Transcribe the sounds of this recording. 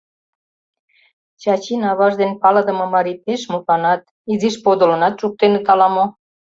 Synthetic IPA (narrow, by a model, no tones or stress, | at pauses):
t͡ɕɑt͡ɕinɑβɑʒd̪enpɑlɑd̪ə̆mɤ̆mɑɾipeʃmukɑnɑt̪ | iziʃpod̪ŏlə̆nɑt̪ʃuk̚t̪enet̪ɑlɑmo